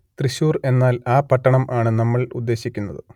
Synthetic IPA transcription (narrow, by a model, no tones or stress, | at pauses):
t̪riɕuːre̞nːaːlaːpɐʈːɐɳɐmʔaːɳɨnɐmːɐɭṵd̪ːe̞ːɕikʲːunːɐðɨ